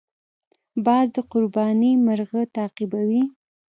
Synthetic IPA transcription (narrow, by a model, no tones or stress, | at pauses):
bɑzd̪əqʊɾbɑnimaɾɣət̪ɑqibawi